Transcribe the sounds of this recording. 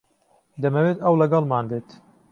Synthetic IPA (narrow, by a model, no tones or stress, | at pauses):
d̪ɐmɐweːt̪ɐwlɐɡɐlmaːnbeːt̪